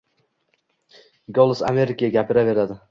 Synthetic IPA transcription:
ɡɒlˠɨsa̰me̞ɾɪkʲajaɡʲapʰɪɾave̞ɾad̪ɪ

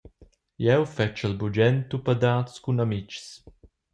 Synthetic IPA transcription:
jɛwfɛt͡ʃəlbud͡ʒɛnt̪upəd̪aːtskunamit͡ʃs

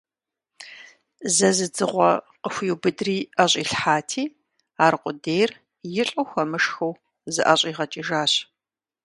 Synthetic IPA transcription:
zɐzɨd͡zɨʁʷɔqəxʷjwbɨdriːʔɐɕʼiːɬħaːtʰiː | aːɾqʷʼʊdejr | jɪɬʼɐxʷɐmɨʂxɐw | zɨʔɐɕʼiːʁɐt͡ʃʼiʒaːɕ

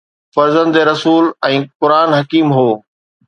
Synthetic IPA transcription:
fɐɾzə̃nd̪eɾɐsuːlɛ̃ːkʊɾaːnɦɐkiːmɦoː

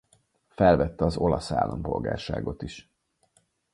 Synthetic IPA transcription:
fɛlvɛt̪ːɛɒzo̞lɒsa̰ːlːɒmpo̞̰lɡa̰ːrʃa̰ːɡo̞t̪iʃ

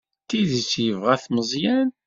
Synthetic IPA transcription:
t̪iðit͡sːjəvʁæθməzˤjæn

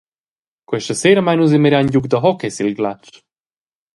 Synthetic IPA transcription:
kwɛʃəseːɾəmajnuz̬ɛmeɾjaɲɟukd̪əɦɔkɛsilɡlat͡ʃ

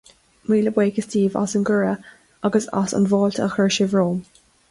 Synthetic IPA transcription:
miːləbweːkəstiːvɔ̰sənɡəɹə | ɑɡəsɔ̰sə̰nvɔːltʰə̰xəɹʃɪvɹoːm

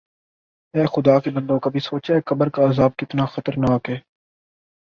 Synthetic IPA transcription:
ɛːxʊd̪aːkebɐ̃nd̪õːkɐbʱisoːt͡ʃeːkɐbəɾkaːzaːb̚kɪt̪naxɐt̪əɾnaːkɦɛː

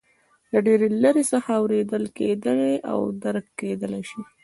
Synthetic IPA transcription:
laɖeɾeləɾesəxaːwɾed̪əlked̪əleʔa̰wd̪aɾkːed̪əlajʃi

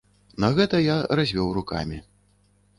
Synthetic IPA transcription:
nɐɣɛt̪ɐjarazʲvʲɔwruka̰mʲi

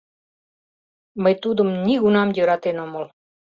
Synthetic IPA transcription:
məjt̪ud̪umnʲiɡunamɟʲəɾat̪enomol

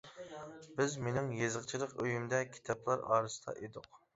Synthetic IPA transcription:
bɪzmenɪŋjezəqt͡ʃʰilˠəqøjymd̪ɛkʲʰi̥t̪ʰɑplˠɑɾɑ̰ːɾɨsɨ̥t̪ʰɑ̰ʔed̪ʊq

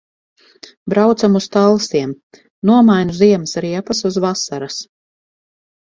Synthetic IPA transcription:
bɾawt̪samust̪alˠsiɛm | nuɔmajnuziɛmsɾiɛpasuzvasaɾas

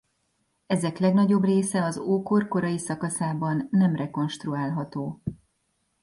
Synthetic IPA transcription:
ɛzɛklɛɡnɒɟo̞breːsɛɒzoːkorko̞ɾɒjisɒkɒsaːbɒnːɛmrɛko̞nʃt̪ruaːlɦɒt̪oː

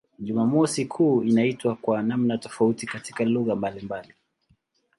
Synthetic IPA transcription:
ʄumamɔsikʰuːinaitwakwanamnatɔfautikatikaluɣambalimbali

